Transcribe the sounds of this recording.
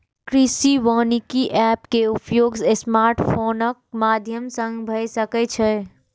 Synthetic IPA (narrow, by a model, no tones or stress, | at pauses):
kɾisiʋəːnikiʔɛːpkeupjoːɡsesmaːɾʈpʰoːnək̚maːd̪ʱjəmsə̃ŋɡbʱəsəkɛt͡ʃʰɛ